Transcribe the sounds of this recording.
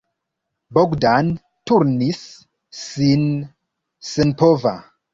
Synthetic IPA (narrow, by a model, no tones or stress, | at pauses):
boɡdan | tuɾnisː | in | senpova̰